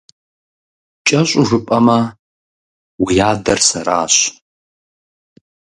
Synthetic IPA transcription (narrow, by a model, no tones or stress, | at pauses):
t͡ʃʼɐɕʷʼʊʐɨpʼɐmɐ | wijaːdɐrsɐɾa̰ːɕ